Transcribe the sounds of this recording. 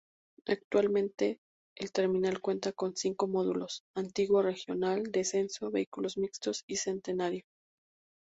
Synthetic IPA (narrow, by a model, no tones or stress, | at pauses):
ak̚t̪walmẽnt̪e̞ː | lt̪e̞ɾmĩnalkwe̞nt̪ako̞nsiŋko̞mo̞ðulo̞sant̪iɣwore̞xjo̞nald̪e̞se̞nso̞βe̞ikulo̞zmikst̪o̞sise̞nt̪e̞naɾjo